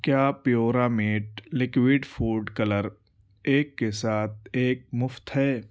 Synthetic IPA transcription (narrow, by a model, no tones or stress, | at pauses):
kjaːpjoːɾameːʈlɪkwiːɖfʰuːɖkələɾ | eːkːesaːt̪̚ʰeːk̚mʊft̪ɦɛː